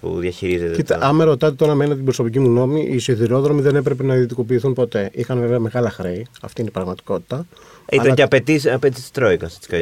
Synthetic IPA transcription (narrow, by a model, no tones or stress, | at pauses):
pṵðjɐçiɾizet̪eieɐmeɾo̞t̪ɐt̪̬et̪o̞ɾɐmenɐt̪ibɾo̞so̞picimuno̞miʔisiðiɾo̞ðɾo̞miðe̞nepɾe̞p̬enɐðit̪iko̞piːθunpo̞t̪e̞ʔixɐnveveɐme̞ɣɐlɐxɾe̞iɐ̰ft̪iinipɾɐɣmɐt̪i̥ko̞t̪i̥t̪ɐ | ilɐceɐpet̪isɐpet̪isi̥t̪i̥t̪ɾoikɐst̪skɐ